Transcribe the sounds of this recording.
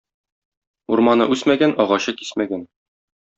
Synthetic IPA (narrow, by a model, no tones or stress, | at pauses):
uɾmɑnɤ̰ʔʉsmæɡænɒʁɑɕɤki̥smæɡæn